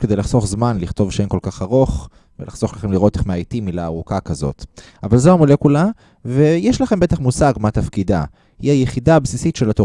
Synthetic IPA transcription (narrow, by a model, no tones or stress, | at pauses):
ked̪ejlaχso̞χzmanliχt̪o̞vʃemko̞lkaχaʁoχ | velaχz̥o̞χlaχe̞mliʁo̞teχmeait̪imilaːʁukakazo̞̰t̪ | avalzeamolekula | ve̞jeʃlaχe̞mbe̞t̪aχmusaɡmat̪afkid̪a̰ | hiajeχidaabsisitʃe̞lat̪o